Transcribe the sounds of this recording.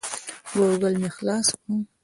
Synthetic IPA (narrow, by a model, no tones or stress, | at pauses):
ɡoɡəlmexlɑːskum